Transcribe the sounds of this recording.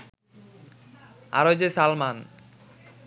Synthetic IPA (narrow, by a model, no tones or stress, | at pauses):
a̰ɾod͡ʑesalman